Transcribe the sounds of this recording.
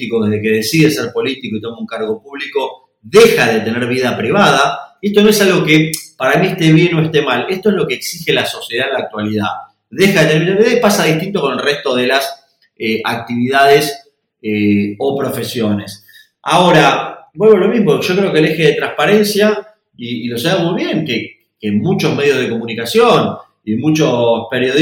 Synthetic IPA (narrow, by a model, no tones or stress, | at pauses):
ikoðeɦðeke̞ð̞esiðeseɾpo̞lit̪ikoit̪o̞mauŋkaɾɣo̞puβliko̞ | ðexaðet̪eneɾβ̞iðapɾiβaðaeht̪onoesalɣo̞kepaɾamieht̪eβjenoeht̪emale̞ht̪oezlo̞keːksixelaso̞sjeð̞alaːk̚t̪waliða̰ | ðexaðet̪eneɾneɾβiðaipasaðiht̪int̪o̞konelreht̪o̞ðe̞las | eʔak̚t̪iβiðaðes | eopɾo̞fe̞sjo̞nes | a̰oɾabwe̞lβolo̞miɦmoʒo̞kɾe̞o̞kele̞xeðet̪ɾãŋhpaɾe̞nsja | iːlo̞saemujβje̞ŋke | kemut͡ʃo̞zme̞ðjo̞ð̞e̞ko̞munikasjon | iemut͡ʃospe̞ɾjoð